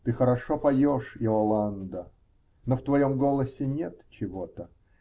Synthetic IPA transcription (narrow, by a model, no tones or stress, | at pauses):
t̪ɨxəɾɐʂopɐjoʂɪɔlˠand̪ə | noft̪vɐjomɡolˠəsʲɪnʲet̪t͡ɕɪvot̪ə